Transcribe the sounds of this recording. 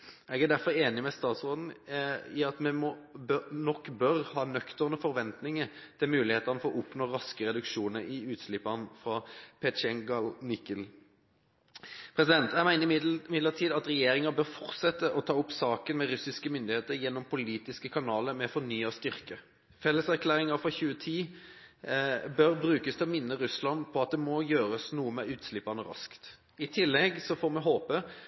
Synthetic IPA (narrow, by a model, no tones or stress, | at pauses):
ɛɡæd̪æɾfɔɾeːnɪmɛst̪ɑːt̪sʁoːd̪n̩ɪɑt̪mɛmɔbnɔkːbœɾhɑːnœkt̪əʁnəfɔɾʋɛnt̪nɪŋət̪ʰɪlmʉːlɪheːt̪əɑʁnəfɔɾɔʔʊpnoːɾɑskəɾɛd̪ʉkʃuːnəɾɪʉːt̪slɪpːɑnfʁɑpʰɛʃɛŋɡɑlnɪkəl | pʰɾɛsɪd̪ɛnt̪jæɪmæɪnəmɪd̪ləʈʰiːd̪ɑt̪ʁɛjeːɾɪŋɑbœɾfɔɾt̪sɛt̪ːəʔɔt̪ʰɑːʊpsɑːkənmɛɾʉsɪskəmʏnd̪ɪheːt̪əɾjɛnːɔmpʰʊliːt̪ɪskəkʰɑnɑːləɾmɛfɔnyːɑst̪ʏʁkə | fɛlːəsæɾklæːɾɪŋɑfʁɑçʉːət̪ʰiː | bœɾbɾʉːkəst̪ʰɛɔmɪnːəɾʉslɑnpʰɔɑt̪̚d̪ɛmɔjøːɾəsnuːəmɛʉːt̪slɪpːɑnəɾɑ̰skt̪ | ɪt̪ʰɪlːɛɡsɔfoːɾmɛɦoːpə